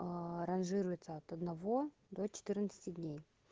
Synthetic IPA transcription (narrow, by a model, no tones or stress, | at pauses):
ɐɾɐnʐɨɾʊjɪt̪səɐt̪ɐd̪nɐvo̞ | d̪o̞t͡ɕɪ̥t̪ɨrnət̪sɨ̥tʲɪdʲnʲej